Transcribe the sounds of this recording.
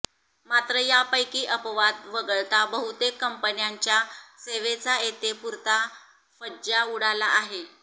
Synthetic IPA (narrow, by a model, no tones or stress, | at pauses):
mat̪ɾəjapəjkiːʔəpʋad̪ʋəɡəɭt̪abəɦut̪ekːəmpənjaɲt͡ɕjaseʋet͡saet̪epuɾt̪a | fəd͡ʑauɽalaːɦe